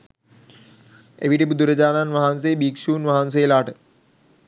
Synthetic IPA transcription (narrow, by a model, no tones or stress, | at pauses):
ḛʋiʈibud̪uɾəd͡ʑaːnanʋɐɦans̬ejbiːkʃuːnʋaɦans̬ejelaːʈə